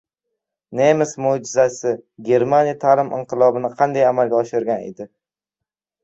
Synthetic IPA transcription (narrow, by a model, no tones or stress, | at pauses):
nemɪsmod͡ʒɪzasɪɡʲe̞ɾmanijat̪ʰalɪmʔɪ̰ɴqɨlˠɒbɪnɪqʰɑnd̪ajamalɡʲaɒʃɪɾɡʲanḛd̪ɪ